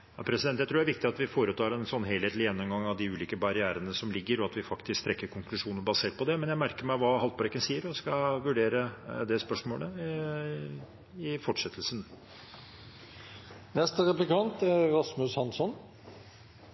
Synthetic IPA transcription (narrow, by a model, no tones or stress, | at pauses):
jɑpʰɾɛsɪd̪ɛnt̪ːæɪt̪ʰuːdæɾʋɪk̚t̪ɪɑt̪ʋɪfoːɾət̪ʰɑːɾɛnsɔnːɦeːlheːt̪lɪjɛnːɔmɡɑŋːɑʋd̪ɪʉːliːkəbɑɾɪæːɾənəsɔmlɪɡːəɾɔɑt̪ʋɪfɑkt̪ɪskt̪ʰɾɛkːəɾkʰʊŋklʉʂuːnəbɑseːʈ̪̚pɔd̪ɛmɛnjæɪmæɾkəɾmæɪʋɑːɦɑlt̪pɑɾɛkːənsiːəɾɔskɑʋʉɖeːɾəd̪ɛspœʂmoːɽə | ɪfɔʈʂɛt̪ʰːəlsn | nɛst̪əɾɛplɪkʰɑnt̪æɾɾɑsmʉshɑnsɔn